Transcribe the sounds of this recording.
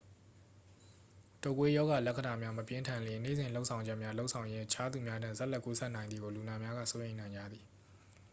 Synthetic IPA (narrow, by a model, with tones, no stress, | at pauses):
to˨k̬we˦jɔ˦ɣa˨lɛ˦ʔkʰə˨da˨mja˦məpjɪ̃˦ntʰã˨nlɪ̃˨nḛ˦˨zɪ̃˨lo˦ʊʔsʰã˨ʊ̃ɲd͡ʑɛ˦ʔmja˦lo˦ʔsʰã˨ʊ̃jɪ̃˦ʔət͡ɕʰa˦d̪u˨mja˦dã̰˦˨zɛ˦ʔlɛ˦ʔku˦sʰɛ˦ʔnã˨ɪ̃nd̪ði˨ɡo˨lu˨na˨mja˦ɣa̰˦˨so˦jẽ˨ɪ̃nã˨ɪ̃ɲd͡ʑa̰˦˨d̪i˨